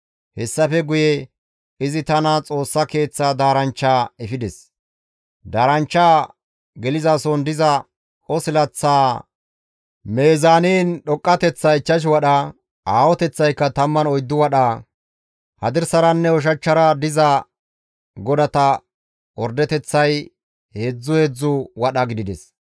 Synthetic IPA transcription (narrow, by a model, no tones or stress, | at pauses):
hɛsːɐfɛɡʊjɛ | ɪzɪt̪ɐnɐt͡sʼo̞ːsːɐke̞ːt͡sːad̪aːɾɐnt͡ʃːaːɛfɪd̪ɛs | d̪aːɾɐnt͡ʃːaː | ɡɛlɪzasɔnd̪ɪzɐ | ɔsɪlɐt͡sːaː | meːzaːneːnɗɔkʼːɐt̪ɛt͡sːɐɪt͡ʃːɐʃ̬wɐɗɐ | aːwɔt̪ɛt͡sːɐjkːɐt̪ɐmːɐnɔjd̪ːʊwɐɗaː | hɐd̪ɪɾsɐɾɐnːɛɔʃ̬ɐt͡ʃːɐɾɐd̪ɪzɐ | ɡɔd̪ɐt̪ɐ | wɔɾd̪ɛt̪ɛt͡sːɐj | he̞ːd͡zːʊhe̞ːd͡zːʊwɐɗɐɡɪd̪ɪd̪ɛs